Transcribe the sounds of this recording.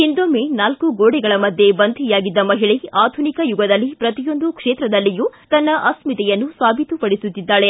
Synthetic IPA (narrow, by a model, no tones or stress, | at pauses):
ind̪oːmenaːlkuɡoːɽɛɡɐɭɐmɐd̪ʱjebɐnd̪ʱijaːɡid̪ːɐmɐɦiɭiaːd̪ʱunikɐjuɡɐd̪ɐlːipɾɐt̪ijo̞nd̪ukʂeːt̪ɾɐd̪ɐlːijut̪ɐnːɐʔɐsmit̪ɛjɐnːusaːbʱit̪upɐɽisut̪ːid̪ːaːɭe̞